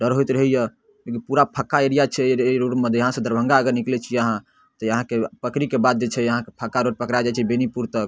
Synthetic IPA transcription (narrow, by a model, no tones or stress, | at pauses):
ɖəɾɦojt̪ɾəɦijə | lekinpuɾapʰəkːaeɾijat͡ʃʰɛɾoɖmed̪ʱjəɦãsə̃d̪ʱəɾbʱə̃ŋɡaəɡəɾniklɛt͡ʃʰiəɦã | t̪ɔjəɦãkepəkɾikebad̪̚d͡ʒet͡ʃʰɛjəɦãkepʰəkːaɾoʈ̚pəkɾad͡ʒajt͡ʃʰɛbenipuɾt̪ək